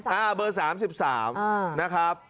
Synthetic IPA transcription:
ʔaː˧˩bɤː˧saː˩˦msi˨˩p̚saː˩˦mː˧na˦˥kʰa˦˥p̚

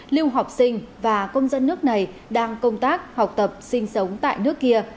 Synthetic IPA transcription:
li˧əwɦa˨˩wk͡p̚sï˧ŋ̟vaː˨˩kə˧wŋ͡mzə˧nːɨ˦˥ək̚na˨˩j | ɗaː˧ŋkə˧wŋ͡mt̪aː˦˥k̚ha˨˩wk͡p̚t̪ə˨˩p̚sï˧ŋ̟sə˨˦wŋ͡mt̪a̰ː˧˨jnɨ˦˥əkːi˧ə

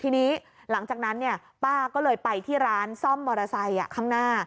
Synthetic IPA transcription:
t̪ʰiː˧niː˦˥ | la˩˦ŋt͡ɕaː˨˩k̚na˦˥nːi˥˩ɐ | paː˥˩kɔː˥˩lɤː˧jpa˧jt̪ʰiː˥˩ɾaː˦˥nsɔ˥˩mːɔː˧ɾa˧sa˧jʔa̰˨˩kʰaː˥˩ŋnaː˥˩

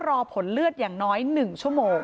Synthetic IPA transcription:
ɾɔː˧pʰo˩˦nlɯ˥˩ət̪̚jaː˨˩ŋnɔː˦˥jnɯ˨˩ŋt͡ɕʰu˥˩əmoː˧ŋ

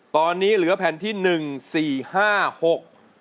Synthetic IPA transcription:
t̪ɔː˧nːiː˦˥lɯ˩˦ɐpʰɛ˧nt̪ʰiː˥˩nɯ˨˩ŋsiː˨˩haː˥˩ho˨˩k̚

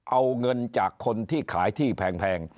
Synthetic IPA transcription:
ʔa˧wŋɤ˧nt͡ɕaː˨˩kʰːo˧nt̪ʰiː˥˩kʰaː˩˦jt̪ʰiː˥˩pʰɛː˧ŋpʰɛː˧ŋ

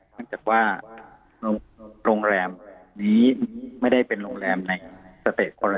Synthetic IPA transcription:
n˥˩ŋt͡ɕaː˨˩k̚waː˥˩ | ɾo˧ɾoː˧ŋɾɛː˧mniː˦˥ma˥˩jda˥˩jpe˧nɾo̰˧ŋɾɛː˧mna˧jsa˧t̪eː˨˩t̪̚kʰɔ˧ɾa˧

